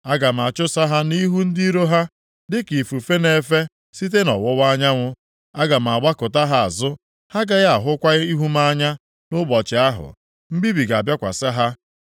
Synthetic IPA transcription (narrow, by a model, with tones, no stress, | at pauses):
a˦ɡa˨m̩˨a˨t͡ʃʊ˦sa˦ɦa˦ni˦ɦu˦n̩˦di˦i˦ɾo˦ɦa˦ | dɪ˦ki˨fu˨fe˦ne˦fe˦ | si˦t̬e˦nɔ̰˨wʊ˦wa˦ɲa˦ŋʷʊ˦ | a˦ɡa˨m̩˨a˨ɡ͡ba˦kʊ˨ta˦ɦa˨a̰˨zʊ˦ | ha˦ɡa˨ɣa˨ɦʊ˦kʷa˦ɣi˦ɦu˦m˦a˦ɲa˦ | nʊ˦bɔ˨t͡ʃɪ˨a˦ɦʊ̰˨ | m̩˦bi˦bi˨ɡa˨bja˦kʷa̰˨sa˦ɦa˦